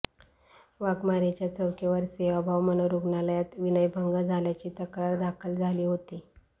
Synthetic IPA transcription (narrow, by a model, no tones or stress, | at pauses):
ʋaɡmaɾet͡ɕjat͡səwkʰeʋəɾseʋabʱaʋmənoɾuɡnaləjat̪ʋinəjbʱəŋɡad͡zʱaljat͡ɕiːt̪əkɾaɾd̪akʰəld͡zʱaliːɦot̪i